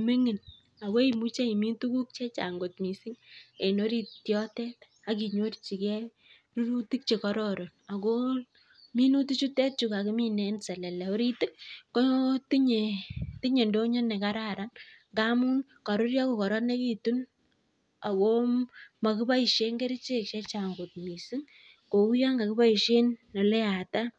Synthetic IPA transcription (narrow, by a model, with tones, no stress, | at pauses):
me˦ŋi˨n | a˨ko˦i˨mu˦t͡ʃe˦i˨mi˦ntu˦ku˦k̚t͡ʃɛ˦t͡ʃa̰˨ŋɡo˨tmi˨si˦ŋe˨no˦ɾi˦tjɔ˦tɛ˦t | a˦k̬i˨ɲo˦ɾt͡ʃi˨kɛ˦ | ru˦ɾu˦ti˦k̚t͡ʃe˨kɔ˦ɾɔɾo˨na˨ko˦ | mi˦nu˦ti˦t͡ʃu˦tɛ˦t̚t͡ʃu˨ka˨ki˦mi˦nɛ˨nsɛ˨lɛ˨lɛ˨o˦ɾi˦tɪ˦k̚ko˦ti˦ɲe˨ti˦ɲe˨ndo˦ɲɔ˦nɛ˨ka˦ɾa˦ɾa˦nŋɡa˦mu˦n | ka˨ɾo˦ɾja˦ko˨kɔ˨ɾɔ˦ne˦ki˦tu˦n | a˨ko˦ma˨ki˦ba˦i˨ʃe˦ŋɡe˦ɾi˦t͡ʃe˦kʃe˦t͡ʃa˨ŋɡo˨t̚mi˨si˦ŋ | ko˨u˦ja˦ŋɡa˨ki˦ba˦i˨ʃe˦nːɔ˨lɛ˦a˨ta˦